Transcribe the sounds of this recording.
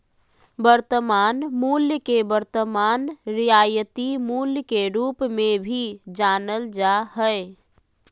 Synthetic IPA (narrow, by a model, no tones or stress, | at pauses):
bəɾt̪əmaːnmuljəkebəɾt̪əmanɾijajət̪imuljəkeɾupmebʱid͡ʒanəld͡ʒaɦəe